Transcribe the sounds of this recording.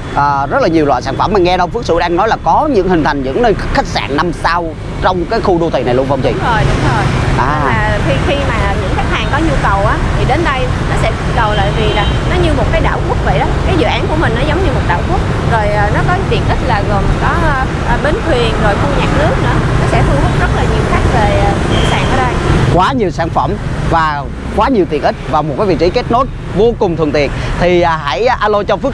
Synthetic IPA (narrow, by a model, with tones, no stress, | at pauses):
ʔəː˨˩zə˦˥t̚laː˨˩ɲi˨˩əwlwa̰ː˧˨jsaː˧˩nfə˧˩mːaː˨˩ŋɛ˧ɗə˧wfɨ˦˥əsɨ̰˧˩ɗaː˧ŋnɔ˨˦jlaː˨˩kɔ˨˦ɲɨ̰˧˥ŋhï˨˩ŋ̟t̪ʰa˨˩jŋ̟zɨ̰˧˥ŋnə˧n˥xa˦˥k̚sa̰ː˧˩ŋna˧msa˧w | t͡ɕɔ˧wŋ͡mkaː˨˦jxu˧ɗo˧t̪ʰi˨˩na˨˩jlə˧ŋ͡mfwŋ͡mt͡ɕḭ˧˨zo˨˩jɗʊ˨˦ŋ͡mzo˨˩jʔaː˨˩˧aː˨˩t̪ʰi˧˨˩xi˧maː˨˩ɲɨ̰˧˥ŋk̪ʰa˦˥k̚hʰaː˨˩ŋkɔ˨˦ɲu˧kə˨˩wʔaː˨˦t̪ʰi˨˩ɗe˨˦nɗə˧j | nɔ˨˦sɛ̰˧˥k̪i˨˥t̚kə˨˩wla̰ː˧˨vi˨˩laː˨˩nɔ˨˦ɲɨ˧mo˨˩t̚kaː˨˦jɗa̰ː˧˨wku˦˥ək̚və̰˧˨jɗɔ˨˦kaː˨˦jzɨ̰˧˨ʔaː˨˦nku˧˩əmï˨˩ŋ̟nɔ˨˦zə˨˦wŋ͡mɲɨ˧mo˨˩t̚ɗa̰ː˧˨wku˦˥ək̚ | zo˨˩jʔːnɔ˨˦kɔ˨˦t̪ḭ˨˩ənʔi˦˥t̚laː˨˩ɣo˨˩mkɔ˨˦˧ | ʔɓe˨˦nt̪ʰwi˨˩ənzo˨˩jfu˧ɲaː˨˩k̚nɨ˨˦˥ək̚nɨ̰˧˥ənɔ˨˦sɛ̰˧˥hu˧whɨ˦˥t̚zə˦˥tw̚laː˨˩ɲi˨˩əwxa˦˥jk̟̚ve˨˩˨i˧˨˩saː˨˩ŋʔə̰ː˧˩ɗə˧jkwaː˨˦ɲi˨˩əwsaː˧˩ŋfə̰˧˩˨mvaː˨˩ | kwaː˨˦ɲi˨˩əwt̪i˨˩ʔï˦˥t̚vaː˨˩mo˨˩t̚kaː˨˦vḭ˧˨t͡ɕḭ˧˦ke˦˥t̚no˦˥j̚ | vo˧kʊ˨˩ŋ͡mt̪ʰənt̪ḭ˨˩ənt̪ʰi˨˩ʔha̰˧˩jʔaː˧lo˧t͡ɕɔ˧fɨ˦˥ə